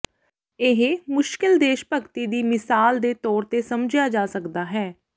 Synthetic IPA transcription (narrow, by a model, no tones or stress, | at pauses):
ɪɦmʊʃkɪld̪eːʃpəkt̪iːd̪iːmɪsaːld̪eːt̪ɔːɾt̪eːsəmd͡ʒjaːd͡ʒaːsəkd̪aːɦɛː